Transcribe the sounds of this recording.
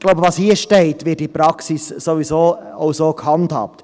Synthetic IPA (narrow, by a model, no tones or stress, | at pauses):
ɡloʊbəvɑːshiːəʃteɪtʋɪːt̚ːipɾɑksisːovisoːaʊsoːkhɑnthɑ̰ːp̚t